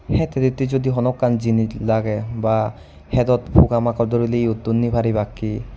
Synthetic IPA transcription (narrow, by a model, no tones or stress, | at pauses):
hɛt̪ɛd̪it̪izod̪iɦɔnɔkːanzinilaɡɛba | hɛd̪ɔt̪pʰukamakɔɹd̪oɹileiut̪ːunːibʰʱaɾibakːi